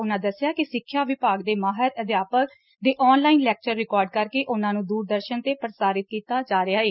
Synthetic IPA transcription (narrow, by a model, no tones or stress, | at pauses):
ʊnãːd̪əsːɪjaːkɪsɪkʰːjaːʋɪpaːɡd̪eːmaːɦəɾəd̪jaːpək | d̪eːʔɔːnlaːinlɛːk̚t͡ʃəɾːɪkɔːɾɖkəɾkeːʔʊnãːnũːd̪uːɾd̪əɾʃənt̪eːpɾəsaːɾɪt̪̚kiːt̪aːd͡ʒaːɾɪaːeː